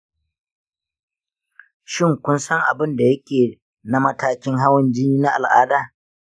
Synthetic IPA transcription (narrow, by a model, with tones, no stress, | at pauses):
ʃɪ˦ŋkʷʊ˦nsɐ˦ŋʔa̰˨bɪ˦nda˨jɐ˦kʲeː˨ | na˦mɐ˦taː˦kʲɪ˦ŋɦa˦wɐ˦nd͡ʒɪ˦niː˦na˦ʔa̰˨lʔa̰ː˦daː˦˨